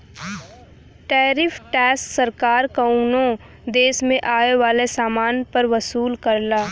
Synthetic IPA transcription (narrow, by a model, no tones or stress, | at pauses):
ʈɛːɾɪfʰʈɛːsksɐɾkaːɾkɐũnõ | d̪eːsmẽʔaːeʋaːlesaːmaːnpɐɾʋɐsuːlkɐɾlaː